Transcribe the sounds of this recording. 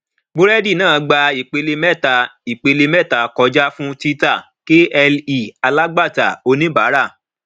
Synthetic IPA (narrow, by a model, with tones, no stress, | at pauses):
ɡ͡bo˦ɾɛ˦di˦˨nãː˦˨˧ɡ͡ba˧i˨k͡pe˧le˧mɛ˦˨ta˨i˨k͡pe˨˧le˧mɛ˦˨ta˨kɔ˧d͡ʒa˦fũ˦ti˦ta˦˨ | ke˦ɛ˧li˦˨a˧la˦ɡ͡ba˦˨ta̰˨o˧nĩ˦baː˨˦ɾa˦˨